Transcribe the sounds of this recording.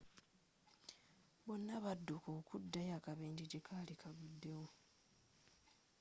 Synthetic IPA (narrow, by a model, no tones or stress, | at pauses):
bo̞nːaβadːokokudːajakaβeːɲɟiɟe̞kʰalikʰaβudːe̞wo